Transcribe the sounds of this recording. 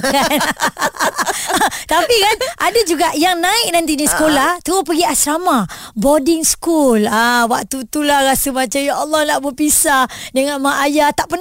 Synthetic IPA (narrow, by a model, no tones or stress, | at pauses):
kan | t̪apikanʔadad͡ʒuɡaʔjaŋnãɪk̚nant̪̬inisə̥kolaht̪əopəɡiasɾamabodɪŋskulawaʔ̚t̪ut̪ulahɾasəmat͡ʃamjaɔlːɔhnaʔbəpisadəŋanmaʔːjat̪aʔpən